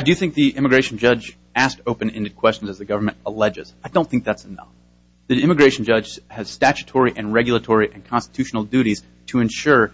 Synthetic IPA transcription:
dɨɨθɪ̃ŋk̚ðiʔɪ̃mɨɡɹeɪʃn̩d͡ʒʌd͡ʒ | æstoʊpɨ̃nɛ̃ndɨd̚kʰw̥ɛst͡ʃn̩zɨzðɨɡʌvə˞mɨ̃nəlɛd͡ʒɨz̥aɪdõʊ̃nθɪ̃k̚ðætsənʌ̰f | ðiɪ̃mɨɡɹeɪʃn̩d͡ʒʌ̥d͡ʒ̥ɨz̥stæt͡ʃɨ̥tʰɔɹiʔɨ̃nɹɛɡjl̩ˠətʰɔɹiʔɨ̃nkʰɑ̃nstɨ̥tʰʉʃn̩l̩ˠdʉɾiz̥ | tʰɨɨ̃nʃʊɹ

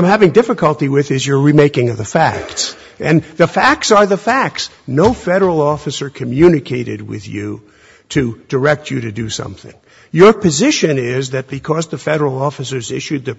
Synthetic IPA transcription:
ɪmhævɪ̃ŋdɪfɨkəlˠtiwɪðɪzjə˞ɹimeɪkɪ̃ŋʌvðɨfæ̰k̚ts | ɨ̃nðɨfæk̚tsə˞ðəfæk̚ts | noʊfɛɾə˞l̩ˠɔfɨsə˞kʰɨmjʉnɨkʰeɪɾɨ̰d̚wɪ̰ðjʉ | ɾɨd̥ə˞ɛk̚t͡ʃɨɾɨdɨsʌ̰̃mθɪ̰̃ŋ | jə˞pʰɨzɪʃɨ̃nɪzðɨt̚b̥ɨkʰʌzðɨfɛɾə˞l̩ˠɔfɨsə˞zɪʃʉd̪̚ðɨ

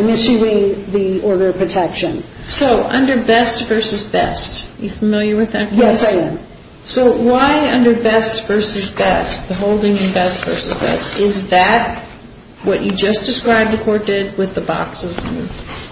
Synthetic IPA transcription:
mɪsʉɪ̃ŋðiɔɹɾə˞ʌ̥pʰɹ̥ɨtʰɛkʃɨ̃nsoʊʔʌ̃ndə˞bɛstv̥ɜ˞sɨzbɛ̰stjɨfɨmɪlˠjə˞wɨðɨt̚kʰjɛaɪ̃m | soʊwaɪʌ̃ndə˞bɛstv̥ɜ˞sɨzbɛst̚ðɨɦoʊlˠdɪ̃ŋɨ̃nbɛstv̥ɜ̰˞sɨzbɛ̰stɪzðɨt̚ | wʌt͡ʃɨd͡ʒʌsd̥ɨskɹaɪb̚ðɨkʰɔɹt̚d̥ɪd̚wɨðəbɑ̰ksɨz̃n̰

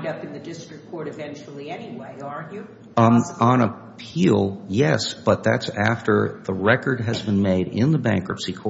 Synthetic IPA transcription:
dʌpɨ̃nðɨdɪstɹ̥ɨkkʰɔɹɾɨvɛ̃nt͡ʃul̩ˠiɛniweɪə˞nɨ | ə̃nə | pʰilˠjɛsb̥ʌt̪̚ðæ̰tsæftʰə̰˞ðəɹɛkə˞d̚ɨzbɨ̃nmeɪɾɪ̃nðəbæ̰̃ŋkɹəpsikʰɔ

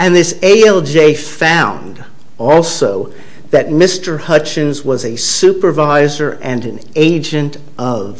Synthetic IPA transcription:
ɨ̃nðɪseɪɛlˠd͡ʒeɪfãʊ̃nd | ɔlˠsoʊ | ðɨt̚mɪstə˞hʌt͡ʃɨ̃nzwʌzɨsʉpə˞vaɪzə˞ʔɨ̃nɨ̃n | eɪd͡ʒɨ̃nt | ʔʌv̥

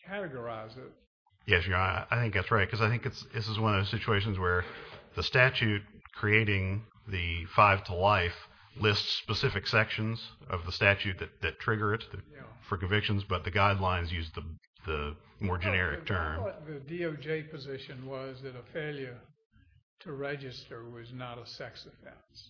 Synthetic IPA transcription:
kʰæɾɨɡə˞aɪzɪt̚ | jɛsjɨna̰ɪʔaɪθɪ̃ŋk̚ðætsɹaɪt̚kʰʌzaɪθɪ̃ŋkɨtsðɪsəzwʌ̃nʌvsɪt͡ʃʉeɪʃ̬ɨ̃n̩zwə˞ðɨstæt͡ʃʉt̚kʰɹ̥ieɪɾɪ̃ŋ | ðɨfaɪv̥tʰəlaɪf | lɪstspəsɪfɨksɛkʃɨ̃nzʌ̰vðəstæt͡ʃʉt̪̚ðɨt̪̚ðɨtʰɹ̥ɪɡə˞ɨt̪̚ðɨfə˞kɨ̃ɱvɪkʃɨ̃nzbʌt̪̚ðɨɡaɪdˡlãɪ̃nzjʉzðə | ðɨmɔɹd͡ʒɨnɛɹɨk̚tʰɜ̃˞mðɨdioʊd͡ʒeɪpʰɨzɪʃɨ̃nwʌzðɨɾəfeɪlˠjə˞ | ɾʰɨɹɛd͡ʒɨstə˞wʌznəɾəsɛksɨfɛ̰̃s

